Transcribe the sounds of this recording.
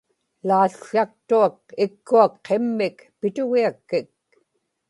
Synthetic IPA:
laːɬak̚t̪uak̚ɪkːuakqemːɪkpɪt̪ʊɣiakːɪk̚

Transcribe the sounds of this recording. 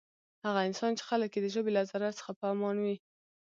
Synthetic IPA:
haɣaɪnsɑnt͡ʃe̥xaləkjed̪əʒəbelazaɾat̪sə̥xapəamɑnwi

